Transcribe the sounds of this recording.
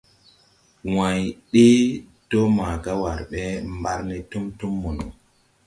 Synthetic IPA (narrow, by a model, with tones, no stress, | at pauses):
wa˨jɗe˦d̥ɔ˦maː˨ɡa˦wa˨ɾɓɛ˦mba˦ɾnɛ˨tu˦mtu˦mːɔ˨nɔ˨